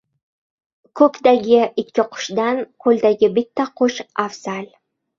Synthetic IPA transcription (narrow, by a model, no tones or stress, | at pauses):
kʰɵkʲd̪aɡʲɪʔɪkʲʰːɪqʰʊ̥ʃd̪ankʰɵld̪aɡʲɪbɪt̪ːaqʰʊʃafz̥al